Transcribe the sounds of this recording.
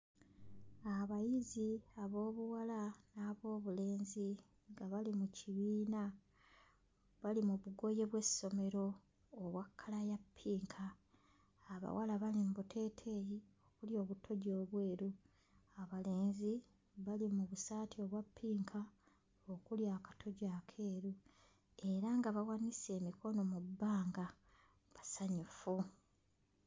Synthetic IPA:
aβajiziaβo̞ːβuwalanaβo̞ːβule̞ːnzi | ŋɡaβalimuciβiːna | βalimuβuɡo̞je̞βwe̞so̞me̞ɾo̞ː | βwakʰːalajapʰːiːŋkʰaː | βa̰wʔalaβalimbutʰe̞ːtʰe̞jiokuljo̞ːβutʰo̞ɟo̞ːβwe̞ːɾu | aβale̞ːnzi | βalimuβusaːtʰio̞βwapʰːiːŋkʰa | okuljakḁtʰo̞ɟakʰe̞ːɾu | e̞ɾaŋɡaβawanise̞ːmikʰo̞no̞mubːaːŋɡa | βasaɲufu

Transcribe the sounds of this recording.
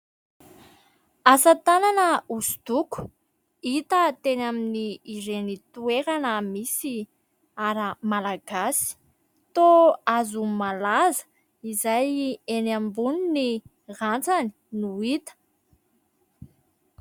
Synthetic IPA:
asət̪ananəusu̥d̪̥uku̥ | it̪ət̪enaminiːɾenit̪ueɾanəmisi | aɾəmalaɡasi̥ | t̪oazumalazə̥ | izajenambunini | rant͡sani̥ | nuit̪ə̥

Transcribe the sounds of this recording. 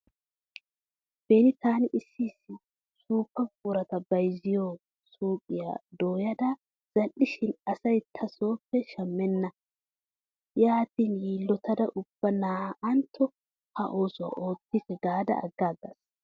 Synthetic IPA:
b̥eːnɪt̪aːnɪʔɪsːiːsːɪ | suːpːɐkʼuɾɐt̪ɐbɐjzɪjoː | suːkʼɪja̰d̪oːjɐd̪ɐ | z̥ɐlʔːɪʃɪnɐsɐjt̪ʰɐso̞ːpːɛʃɐmːɛnːɐ | jaːt̪iːnjiːlːɔt̪ɐd̪ɐʔʊb̥ːɐnaːʔɐnt̪ʰːɔ | hɐʔo̞ːsʊwa̰ʔo̞ːt̪ːisɛɡaːd̪ɐ̰ɐ̰ɡːaːɡɐs

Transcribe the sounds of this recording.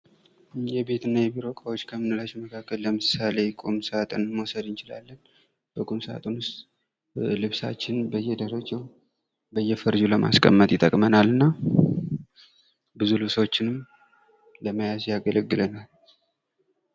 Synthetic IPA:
jɛbe̞t̪ʰɨnːajɛbiɾo̞kʼawot͡ʃːkʰəmɨnɨlat͡ʃːɛməkʰakːəlːəmɨsale̞kʼomsat̪ʼɨnmo̞səd̪ɨnt͡ʃɪla̰lːən | b̥əkʼomsa̰t̪ʼonwʊst̪ʼ | lɨβsa̰t͡ʃːɪnbəjːɛd̪əɾəd͡ʒəw | bəjːɛfəɾd͡ʒuləma̰skʼə̰mːət̪ʼjɪt̪ʼə̰kʼmənalɨnːa | bɨzulɨβsəwot͡ʃːɪnɨm | ləməjazjaɡələɡːɨlənal

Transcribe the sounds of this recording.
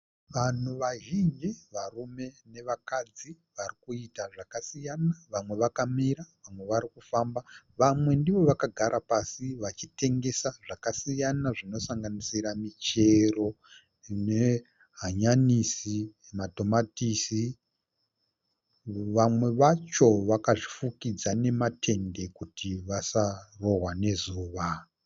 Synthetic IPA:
ʋan̤uʋaʒind͡ʒiʋarume̞ne̞ʋakad͡zi | ʋarikuitaʐakasijanaʋamwe̞ʋakamiɾaʋamwe̞ʋaɾikufamba | ʋamwe̞ndiʋo̞ʋakaɡʱaɾʔapasiʋat͡ʃite̞ŋɡe̞saʐakasijanaʐino̞saŋɡanisiɾamit͡ʃe̞ro̞ | ne | ɦaɲanisi | mato̞matisi | ʋamwe̞ʋat͡ʃo̞ʋakaʐifukid͡zane̞matʰe̞nde̞kutʰiʋasaro̞ɦwane̞zuːʋa

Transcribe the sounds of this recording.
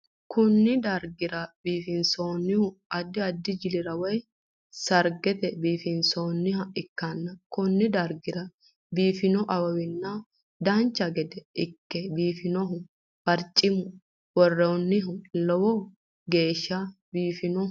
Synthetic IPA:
kʊnːɪd̪ɐɾɡɪɾɐbiːfɪnsoːnːɪhʊɐd̪ːɪɐd̪ːɪd͡ʒɪlɪɾɐwɔj | sɐɾɡɛt̪ɛbiːfɪnsoːnːɪɦɐɪkːɐnːɐkʊnːɪd̪ɐɾɡɪɾɐ | biːfɪnɔʔɐwɐwɪnːɐ | d̪ɐnt͡ʃːɐɡɛd̪ɛɪkːɛbiːfɪnɔɦʊ | bɐɾt͡ʃʼːɪmʊ | wɔrːɛɔnːɪɦʊlɔwɔ | ɡe̞ːʃːɐ | biːfɪnɔ

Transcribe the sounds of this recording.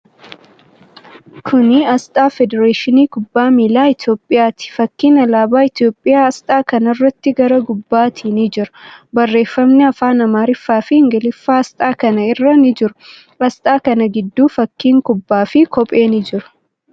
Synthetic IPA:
kʰʊnɪɐst̪ʼaːfɛd̪ɛɾaːʃɪniːkʊbːaːmiːlaːɪt̪jo̞ːpʼːɪjaːt̪ɪ̥fɐkːiːnɐlaːbaːɪt̪jo̞ːpʼːɪjaːɐst̪ʼaːkɐnɐrːɐt̪ːɪɡɐɾɐɡʊbːaːt̪ʰɪnɪd͡ʒɪɾʊbɐrːe̞ːfːɐmnɪɐfaːnɐmaːɾɪfːaːfɪɪŋɡɐlɪfːaːɐst̪ʼaːkɐnɐɪrːɐnɪd͡ʒɪɾʊ̥ | ɐst̪ʼaːkɐnɐɡɪd̪ːuːfɐkːiːŋkʊbːaːfɪkʰɔpʼe̞ːnɪd͡ʒɪɾʊ̥

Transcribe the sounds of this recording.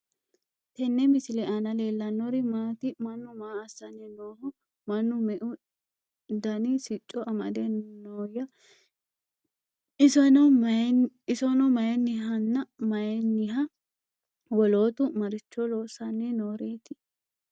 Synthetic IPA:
t̪ɛnːɛmɪsɪlɛʔɐnɐle̞ːlːɐnːɔɾɪmaːt̪ɪmɐnːʊmaːɐsːɐnɛnoːhɔ | mɐnːʊmɛʔʊ | d̪ɐnɪsɪt͡ʃʼːɔʔɐmɐ̰d̪ɛnnoːjɐ | snɔ | ɪsɔnɔmɐjɛnɪɦɐnːɐmɐjɛnːɪɦɐ | wɔloːt̪ʊmɐɾɪt͡ʃːɔloːsɐnːɛnoːɾeːt̪ɪ̥

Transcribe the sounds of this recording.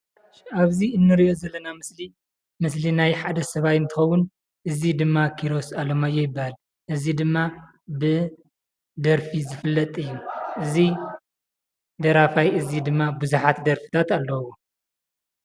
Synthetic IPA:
aβziɨnːɨɾijo̞zɐlːɐnamɨsli | mɨslinajħad̪ɐsɐβajɨnt̪ʰɨxɐwːʊn | ʔɨzid̪ɨmːakʰiɾo̞salɐmajːɛjɪbːahal | ʔɨzid̪ɨmːa | bɨ | d̪ɐɾfizɨfɨlːɐt̪ʼɨjːuʔɨzi | d̪ɐɾafajɨzid̪ɨmːabɨzuħat̪d̪ɐɾfi̥t̪ʰat̪alːɐwo

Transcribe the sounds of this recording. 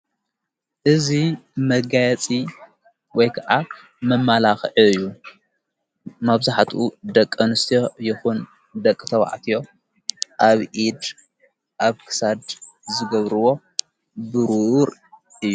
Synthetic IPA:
ʔɨzimɐɡajɐt͡sʼi | wɔjkʰaʔa | mɐmːalaxʕiɨjːu | maβzaħt̪ʰud̪ɐkʼːɐnɨst̪ʰijo̞jɪxun | d̪ɐkʼːt̪ʰɐwa̰ʕt̪ʰijo̞ | ʔaβʔid̪ | ʔaβkʰɨ̥sad̪ | zɨɡɐβɾɨwo̞ | bɨɾuɾ | ʔɨjːu

